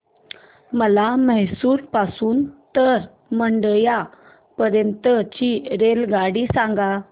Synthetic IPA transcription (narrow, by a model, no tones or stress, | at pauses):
məlaməɦsuːɾpasuːnt̪əɾ | məɳɖəja | pəɾjənt̪ət͡ɕiɾelɡaɽiːsãŋɡa